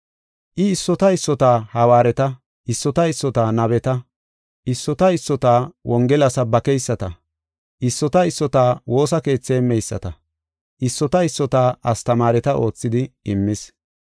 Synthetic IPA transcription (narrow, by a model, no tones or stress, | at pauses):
ʔɪɪsːɔt̪ɐɪsːɔt̪aːhɐwaːɾɛt̪ɐ | ʔɪsːɔt̪ɐɪsːɔt̪aːnɐβɛt̪ɐ | ʔɪsːɔt̪ɐɪsːɔt̪aːwʔɔŋɡɛlɐsɐbɐkɛjsːɐt̪ɐ | ʔɪsːɔt̪ɐɪsːɔt̪aːwo̞ːsɐke̞ːt͡sːeːmɛjsːɐ̰t̪ɐ | ʔɪsːɔt̪ɐɪsːɔt̪aːʔɐst̪ɐmaːɾɛt̪ɐʔo̞ːt͡sːɪd̪ɪɪmːɪs